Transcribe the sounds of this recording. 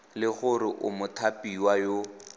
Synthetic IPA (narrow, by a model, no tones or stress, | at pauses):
lɪɣʊrɪʔʊmʊtʰapiwajo